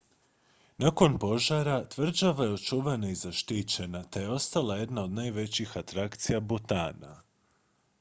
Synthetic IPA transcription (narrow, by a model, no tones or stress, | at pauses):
nako̞npo̞ʒaɾat̪ʋr̩d͡ʒaʋajeo̞t͡ʃuʋanaizaʃt̪it͡ɕe̞nat̪eje̞o̞st̪alˠaje̞d̪nao̞d̪najʋe̞t͡ɕixat̪ɾakt̪sijabut̪a̰ːna̰